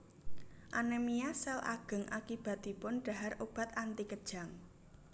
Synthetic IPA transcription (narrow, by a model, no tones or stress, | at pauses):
ʔanɛmiasɛla̰ɡ̥ə̤ŋʔa̰kib̥a̤t̪̚d̪ipʊnɖ̥a̤ɦarob̥a̤t̪ant̪ikəd̥ʒ̥a̤ŋ